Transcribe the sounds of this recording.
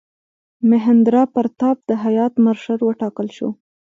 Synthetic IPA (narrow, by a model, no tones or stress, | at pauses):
mɪɦand̪ɾɑpaɾt̪ɑp̚d̪̥əɦajɑt̪maɾʃəɾwəʈɑkəlʃo̰